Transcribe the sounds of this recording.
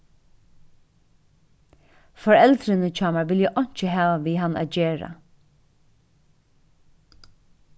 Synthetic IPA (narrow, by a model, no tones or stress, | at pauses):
fɔɹɛlt̪ɾɪnət͡ʃʰɑːmaɹʋɪljʊʔɔɲ̥t͡ʃəɦɑːʋaʋiːɦanæ̰ːt̪̚d͡ʒeːɹa̰